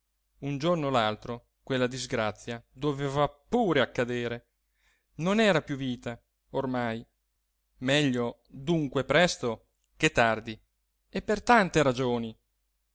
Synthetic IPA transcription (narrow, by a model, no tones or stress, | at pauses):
und͡ʒornolalt̪ɾo | kwelːad̪izɡɾat̪sːjad̪oveːvapuːɾeakːad̪eːɾe | nonɛːɾapjuviːt̪a | ormaj | mɛʎːo | d̪uŋkwepɾɛst̪o | ket̪ːard̪i | epːert̪ant̪eɾad͡ʒoːni